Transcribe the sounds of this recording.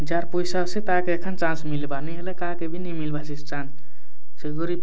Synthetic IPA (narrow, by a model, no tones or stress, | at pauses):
d͡ʒaɾpoisasẽt̪akeekʰənt͡ʃãnsmilbanəɦelekakebʱinimilbasist͡ʃãnt͡ʃ | seɡoɾi